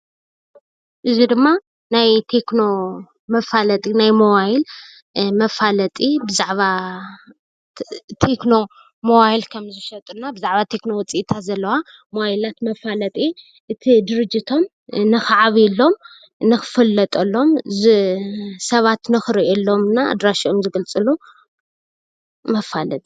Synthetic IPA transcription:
ʔɨzid̪ɨmːa | najt̪ʰe̞kno̞ | mɐfalɐt̪ʼinajmowajil | mɐfalɐt̪ʼibɨzaʕβa | t̪ʰe̞kno̞ | mowajilkʰɐmzɨʃɐt̪ʼɨnabɨzaʕβat̪ʰe̞kno̞wɔt͡sʼiʔt̪ʰazɐlːɐwa | mowajilat̪mɐfalɐt̪ʼi | ʔɨt̪ʰid̪ɨɾɨd͡ʒːit̪ʰo̞m | nɨxɨʕaβlːo̞m | nɨxɨ̥fɨlːɐt̪ʼɐlːo̞mzɨsɐβat̪nɨxɨɾiʔelːo̞mɨnːaa̰d̪ɾaʃiomzɨɡɐlt͡sʼɨlu | mɐfalɐ̰t̪ʼi̥

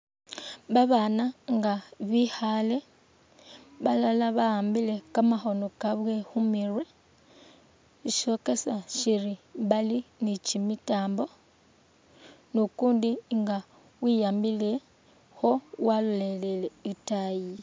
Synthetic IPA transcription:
βaβanaŋɡaβixale̞ | βalalaβaaːmbile̞kamaxo̞nokaβwe̞xumirwe̞ | ʃiʃo̞ke̞saʃiɾiβalinicimitaːmbo̞ | nukuːndiŋɡa | wijaːmbile̞ | xo̞walulele̞le̞itaji

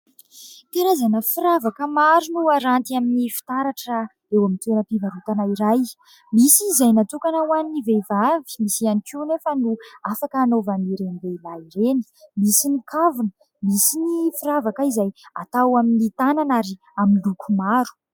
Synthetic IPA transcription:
t̪eɾazanəfiɾavakəmaɾunuaɾant̪iaminifi̥t̪aɾaʈ͡ʂa | ewamint̪eɾəpivaɾut̪anaiɾaj | misiːzajnat̪ukanawannivevavi̥misianikunefənuafakəːnovamniɾeniveilaiɾeni̥misinikʰavunə | misinifiɾavakaizaja̰t̪awaminit̪ananaɾi | aminlukʰumaɾu̥

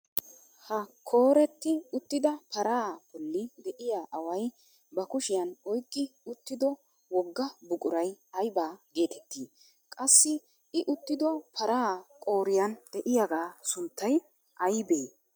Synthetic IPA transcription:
hɐkʰo̞ːɾɛt̪ːɪʊt̪ːɪd̪ɐpʰɐɾaːbɔlːɪd̪ɛʔɪjaːʔɐwɐj | bɐkʊʃɪjɐnɔjkʼːɪʊt̪ːɪd̪ɔ | wɔɡːɐbʊkʼʊɾɐjɐjbaːɡeːt̪ɛt̪ːiː | kʼɐsːɪ | ɪʔʊt̪ːɪd̪ɔpʰɐɾaːkʼo̞ːɾɪjɐnd̪̥ɛʔɪjaɡaːsʊnt̪ːɐj | ʔɐjbeː

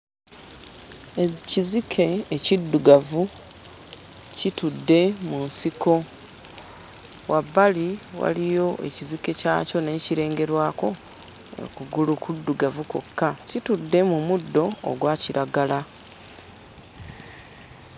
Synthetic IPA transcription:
ecizikʰe̞ːcidːuɡavu | citudːe̞munsiko̞ | wʔabːaliwa̰lijo̞ʔe̞̰cizike̞ca̰ːco̞ne̞ːciɾe̞ːŋɡe̞ɾwaːko̞ | ḛkuɡulukʰudːuɡavuko̰kːacitudːe̞mumudːo̞̰ːɡwaːciɾʔaɡala

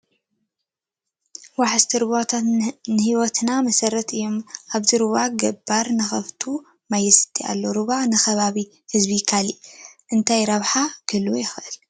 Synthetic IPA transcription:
waħɨst̪ʰiɾɨβat̪ʰat̪nɨhiwɔt̪namɐsɐɾɐt̪ɨjːo̞mʔaβzɨɾɨβaɡɐbːaɾnɨxɐft̪ʰu | majɛsɨ̥t̪ʰːia̰lːo̞ɾɨβanɨxɐβaβi | hɨzbikʰaliʔʔɨnt̪ʰajɾɐβħakʰɨlwjɪxʔɨl

